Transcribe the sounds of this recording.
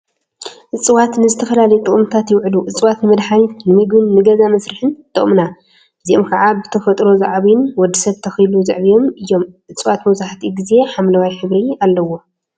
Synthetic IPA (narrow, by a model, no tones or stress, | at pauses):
ʔɨt͡sʼɨwat̪nɨzɨt̪ʰɐfɐlalɐjut̪ʼɨχʼɨmt̪ʰat̪jɪwʕluʔɨt͡sʼɨwat̪nɨmɐd̪ħanit̪nɨmɨɡbɨnːɨɡɐzamɐsɾɨħɨnt̪ʰʼɨχʼmna | bɨziʔomkʰaʕabɨt̪ʰɐfɐt̪ʼɾo̞zaʕβinwɔd̪ːisɐβt̪ʰɐxɨjluzɨ̰ʕβijo̞mɨjːo̞mʔɨt͡sʼɨwat̪mɐwsaħt̪ʰiɡize̞ħamlɐwajħɨβɾialːɐwo̞